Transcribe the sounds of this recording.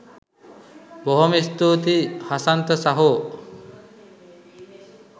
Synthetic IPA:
boɦomist̪uːt̪ihasant̪ɐsaɦo

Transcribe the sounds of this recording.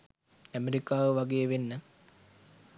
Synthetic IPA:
æmeɾikaːʋəʋɐɡejʋenːə

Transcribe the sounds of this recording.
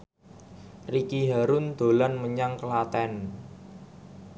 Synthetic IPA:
rikiɦaɾʊnd̪̥o̤lanməɲaŋkəlat̪ɛn

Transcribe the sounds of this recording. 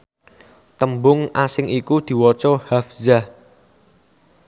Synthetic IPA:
t̪əmbʊŋʔasɪŋikud̪̥i̤wɔt͡ʃohafzah

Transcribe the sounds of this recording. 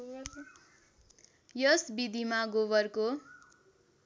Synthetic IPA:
jʌsbid̪ʱimaɡobʌrko

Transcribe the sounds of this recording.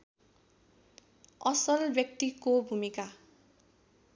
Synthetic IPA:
ʌsʌlbjʌk̚t̪ikobʱumika

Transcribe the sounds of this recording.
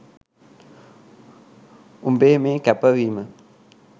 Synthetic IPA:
umbemẽkɛpəwima

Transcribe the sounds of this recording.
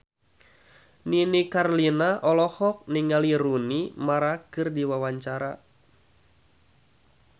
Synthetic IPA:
ninikarlinaʔɔlɔhɔk̚niŋaliɾunimaɾakɨrdiwawaɲt͡ʃaɾa

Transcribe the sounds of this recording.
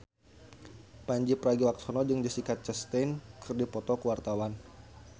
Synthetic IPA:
paɲd͡ʒipəɾaɡiwak̚sɔnɔd͡ʒɨŋd͡ʒisikat̪̚t͡ʃəst̪enkʰɨrdipɔt̪ɔkəwart̪awan

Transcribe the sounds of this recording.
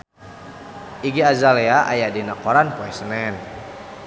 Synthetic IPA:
ʔiɡiazalɛaʔa̰jadinakɔɾanpuɛsənɛn

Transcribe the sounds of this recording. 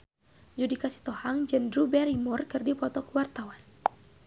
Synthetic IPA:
d͡ʒudikasi̥t̪ɔhaŋd͡ʒəndɾubɛɾimurkɨrdipɔt̪ɔkəwart̪awan

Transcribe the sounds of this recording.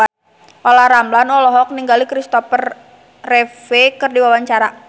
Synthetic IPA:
ʔolahɾamblanɔlɔɦɔk̚niŋɡalikɾist̪ɔfərː | efekɨrdiwawaɲt͡ʃaɾa

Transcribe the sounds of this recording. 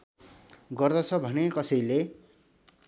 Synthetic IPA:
ɡʌrd̪ʌt͡sʰʌbʱʌnekʌsʌjle

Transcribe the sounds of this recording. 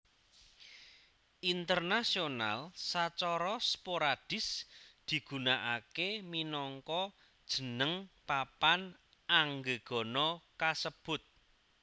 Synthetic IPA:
ʔint̪ərnasiona̰lsat͡ʃɔɾɔspoɾad̥ɪ̤sd̪̥i̤ɡ̥ṳnaʔakeminɔŋkɔ | d̥ʒ̥ə̤nəŋpapan | aŋɡeɡ̥ɔ̤nɔkasəb̥ʊt̪̚

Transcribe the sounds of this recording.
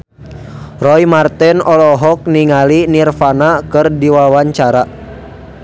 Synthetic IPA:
rɔjmart̪ɛnɔlɔɦɔk̚niŋalinirfanakɨrdiwawaɲt͡ʃaɾa

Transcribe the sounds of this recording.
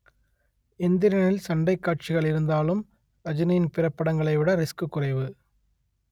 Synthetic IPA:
ɪnd̪ɪɾɐnɪlsɐɳɖɐɪkːaːʈ̚t͡ʃɪɣɐɭɪɾɯnd̪aːlɯm | ɐd͡ʒɪnɐjɪnpɪɾɐpːɐɽɐŋɡɐɭɐɪʋɪɽɐɾɪskɯkːʊrɐɪʋɯ

